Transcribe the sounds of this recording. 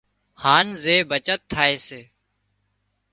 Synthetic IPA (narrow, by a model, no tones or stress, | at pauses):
haːnzeːbət͡ʃət̪ʰːaːeːseː